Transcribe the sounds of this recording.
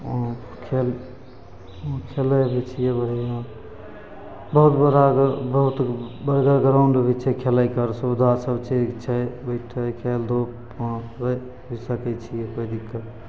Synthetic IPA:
kʰel | kʰeləjbʱet͡ʃʰijɛbəɦi | bəɦut̪bəɾabəɦut̪bəɾɡəɾɡɾawɳɖbit͡ʃʰɛkʰeləjkəɾsud̪ʱasəbt͡ʃʰet͡ʃʰɛbəɪʈʰəkʰeld̪o | ɾə | bʱisəkɛt͡ʃʰijɛkəɦd̪ikəɾ

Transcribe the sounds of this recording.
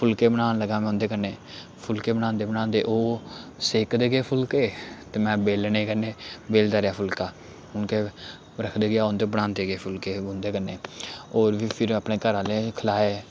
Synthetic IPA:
pʰʊlkeːbənaːnləɡaːmɛ̃ʊ̃nd̪eːkəɾneː | pʰʊlkeːbəñãːnd̪eːbənãːnd̪eːʔoːseːkd̪eːɡeːpʰʊlkeːt̪eːmɛ̃ːbeːlneːkəneːbeːld̪aːɾejaːpʰʊlkaː | ʊnkeː | ɾəkʰd̪eːɡeaːʊnd̪eːbəɽãːnd̪eːɡeːpʰʊlkeːʊnd̪eːkəɾneːoːɾʋiːpʰɪɾəpneːkəɾãːleːkʰəlaːeː

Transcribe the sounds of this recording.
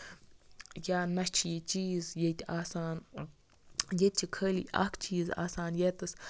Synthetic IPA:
janat͡ʃjet͡ʃizjet̪ʲasan | jet̪̚ʲt͡ʃikʰəlḭa̰kt͡ʃiza̰sanjet̪əs

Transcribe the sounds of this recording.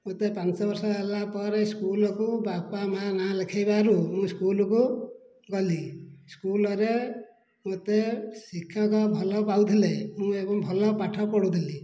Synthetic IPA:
mot̪epant͡sɔbʌɾsʌɦelapɔɾeskulɔkubapamanalekʰajbaɾumũskulɔku | ɡʌliskulɔɾe | mot̪esikʰjʌkɔbʱɔlɔpawd̪ʱilemũebʌŋbʱɔlɔpaʈʰɔpɔɽud̪ʱili

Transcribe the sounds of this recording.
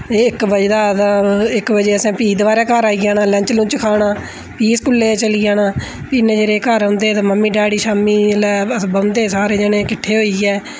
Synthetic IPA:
ɪkbəd͡ʒd̪aːt̪ãːɪkbəd͡ʒeːəsẽːpiːd̪ʋaːɾɛːkəɾaːiːaːnaːlɛ̃ɲt͡ʃlũːt͡ʃəkʰaːɽãː | piːskʊlːeːt͡ʃəliːaːnaː | piːnẽːd͡ʒeːɾeːkəɾɦʊ̃nd̪eːt̪ãːməmːiːɖaːɽiːʃaːmiːlɛːbənd̪eːsaːɾeːd͡ʒeneːkɪʈʰːeːɦoːiːɛː

